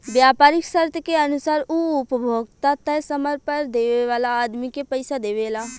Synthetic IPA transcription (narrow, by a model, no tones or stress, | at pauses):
bjaːpaːɾɪksəɾt̪ʰəkeənʊsaːɾuʊpəbʱoːɡt̪at̪əsəməɾpəɾd̪eːʋeʋaːlaːd̪mikepəɪsad̪eːʋelaː